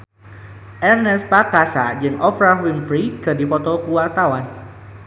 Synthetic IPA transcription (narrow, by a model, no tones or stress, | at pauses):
ʔɛrnɛspakasad͡ʒɨŋʔɔfɾawiŋfɾid̥a̤dipɔt̪ɔkuwart̪awan